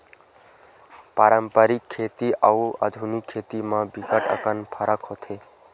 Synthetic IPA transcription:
paːɾəmpəɾikʰːeːt̪iʔəuʔa̰d̪ʱunikʰːeːt̪imãbikəʈə̰kənpʰəɾʔəkɦot̪ʰe

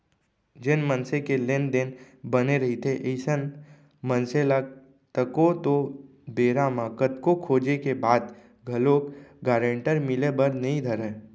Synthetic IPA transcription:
d͡ʒɪnmənsẽkelend̪ɪn | bəneɾɐɦit̪ʰeʔeɪsən | mənsela | t̪əkot̪o | beːɾamãkət̪kokʰoːd͡ʒekebaːd̪ | ɡʱɐloːkɡaːɾẽɳʈəɾmɪlebəɾnɐɦĩd̪ʱəɾɛ̃ː

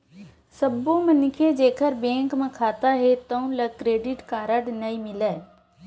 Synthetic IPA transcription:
sɐbõmɐnkʰed͡ʒeːkʰəɾbẽːŋkmẽkʰaːt̪aɦet̪ɐũlɐkɾeːɖɪʈkaːɾəɽnɐimɪlɛː

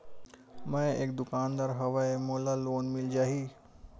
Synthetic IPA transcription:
mə̃eːkd̪ʊkaːnd̪aɾɦɐʋaemoːlaloːnmɪld͡ʒaːɦiː

